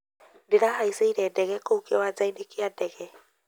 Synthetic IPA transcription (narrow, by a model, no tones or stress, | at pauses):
deɾahaiseiɾɛdɛɣɛkoukewad͡zaindekiadɛɣɛ